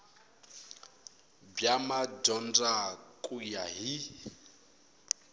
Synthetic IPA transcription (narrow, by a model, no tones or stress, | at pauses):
bjamad͡ʒɔnd͡zakʼujaɦi